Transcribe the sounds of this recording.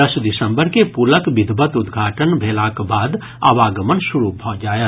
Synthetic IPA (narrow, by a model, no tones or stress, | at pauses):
əsd̪ɪsəmbəɾkepuləkbid̪ʱbət̪ud̪ɡʱaːʈənbʱelakbaːd̪ | a̰ʋaɡəmənsuɾubʱɔd͡ʒaːjə